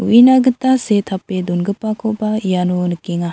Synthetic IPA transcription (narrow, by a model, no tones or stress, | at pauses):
ṵʔinaɡɯt̪aset̪ʰaped̪unɡəpakʰɔʔbaijanunəkiŋa